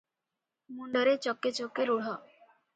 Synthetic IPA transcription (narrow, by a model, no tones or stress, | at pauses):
muɳɖəɾet͡ɕɔkːet͡ɕokːeɾuɽ̤ɔ